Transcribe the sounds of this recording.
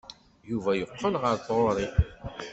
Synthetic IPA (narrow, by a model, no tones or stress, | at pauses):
juvæjəqʰːənʁəɾθoɾˤi